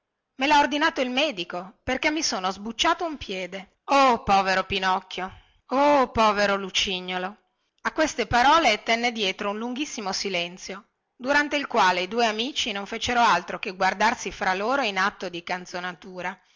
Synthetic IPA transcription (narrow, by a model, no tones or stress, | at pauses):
melaord̪inaːt̪oilmɛːd̪ikoperkemːisoːnozbut͡ʃːaːt̪oumpjɛːd̪e | opɔːveɾopinɔkːjo | opɔːveɾolut͡ʃiɲːolo | akːwest̪epaɾɔːlet̪ɛnːed̪jɛːt̪ɾounluŋɡisːimosilɛnt̪sjo | d̪uɾant̪eilkwaːleid̪uːeamiːt͡ʃinoɱfeːt͡ʃeɾoalt̪ɾokeɡward̪arsifɾaloːɾoinat̪ːod̪ikant̪sonat̪uːɾa